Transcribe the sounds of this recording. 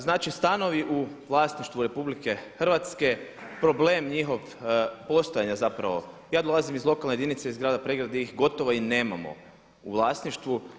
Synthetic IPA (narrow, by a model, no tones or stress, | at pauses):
znaːt͡ʃist̪ano̞ʋiʔuʋlˠaːsniʃt̪ʋuɾe̞publike̞xr̩ʋat̪ske̞pɾo̞bleːmɲixo̞ʋ | po̞st̪o̞jaɲazapɾa̰ʋo̞̰ | jaːd̪o̞lˠazimizlˠo̞kalnejed̪init̪seizɡɾaːd̪apɾeɡɾad̪eixɡo̞t̪oʋoine̞ːma̰mo̞̰ | uʋlˠaːsniʃt̪ʋu